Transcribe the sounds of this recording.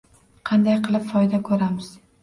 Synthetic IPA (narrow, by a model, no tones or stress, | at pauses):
qʰɑnd̪ajqʰɨlˠɪpfɒjd̪akʰɵɾamɪz̥